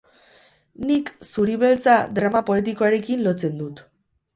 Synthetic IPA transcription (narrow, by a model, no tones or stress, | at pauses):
niksuɾiβe̞lt͡sad̪ɾamapo̞et̪̬iko̞aɾe̞kinlo̞t͡se̞nd̪ut̪